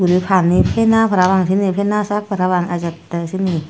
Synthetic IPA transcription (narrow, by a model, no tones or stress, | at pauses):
uɾipʰaːnnipʰenaːpʰaɾawaŋsʰiniːpʰenaːsakk̚pʰaɾawaŋʔat͡ɕat̪ːɛsʰini